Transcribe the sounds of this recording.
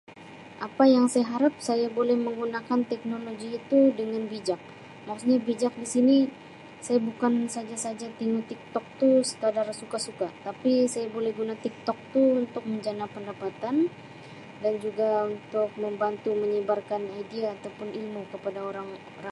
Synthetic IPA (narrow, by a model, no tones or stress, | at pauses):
ʔapajaŋsajaɦaɾap̚sajabolɛhməŋɡunakant̪ɛk̚noloɡiːt̪udəŋanbid͡ʒak̚ | makusɲabid͡ʒak̚disini | sajabukansad͡ʒasad͡ʒat̪iŋut̪ik̚t̪ɔk̚t̪usə̥t̪adarsukasukat̪apisajabolɛhɡunat̪ik̚t̪ɔk̚t̪uunt̪ʊk̚məɲd͡ʒanapəndapat̪an | dand͡ʒuɡaunt̪ʊk̚məmbant̪uməɲəbarkanajdiaːt̪awpʊnilmukəpadaoɾaŋ | oɾa